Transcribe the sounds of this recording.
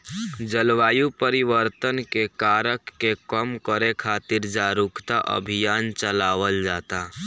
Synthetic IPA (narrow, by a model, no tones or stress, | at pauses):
d͡ʒəlʋaːjupəɾɪwəɾt̪ənkekaːɾəkːekəmkəɾekʰaːt̪ɪɾd͡ʒaɾʊkʰt̪aʔə̰bʱijaːnt͡ʃəlaːʋəld͡ʒaːt̪a